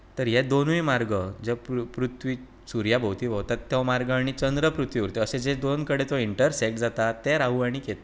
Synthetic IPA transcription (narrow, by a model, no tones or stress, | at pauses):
t̪əɾjed̪onujmaɾɡəd͡zeppɾut̪ʋi | suɾjabʱəwt̪iʋʱəwt̪at̪ːeʋmaɾɡãɽ̃it͡ɕənd̪ɾəpɾut̪ʋiʋuɾt̪eəsed͡zed̪onkəɽet̪oiɳʈəɾsɛk̚ʈd͡zat̪at̪ːeɾaɦuaɽ̃iket̪